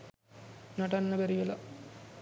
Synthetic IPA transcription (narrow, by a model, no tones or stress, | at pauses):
nɐʈɐnːɐbɛɾiʋɐlɐ